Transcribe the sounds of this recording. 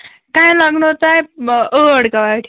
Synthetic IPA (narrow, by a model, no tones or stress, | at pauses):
kajlaɡnot̪ajəəɽkaʋaʈʰi